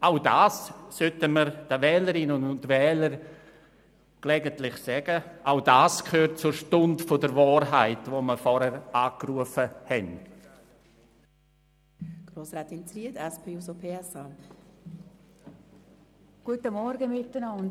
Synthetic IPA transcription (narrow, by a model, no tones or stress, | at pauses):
aʊdaːssøtəməɾd̥əvɛːləɾɪnʊnʊntvɛːləɾ | ɡ̥lɛɡəntlɪχsɛːɡəʔaʊdaːskʰøːrt̚t͡sʊɾʃtʊndfodəɾvaːɾɦaɪtvoːməfɔɾhɛɾʔaːkruəfəhɛn | ɡ̥ɾoːsɾaːt̪int͡sɾiədɛspʰeːusopʰeːɛsa | ɡ̥uətəmɔɾɡəmɪtːənɑn